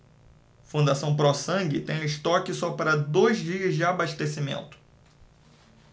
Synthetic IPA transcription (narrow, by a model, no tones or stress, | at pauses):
fũnd̪asɐ̃w̃pɾɔsɐ̃ŋɡɪt̪ẽj̃ʊ̃ɪst̪ɔkɪsɔpaɾɐd̪ojzd͡ʒiɐzd͡ʒɪabaʃt̪esimḛ̃nt̪ʊ̥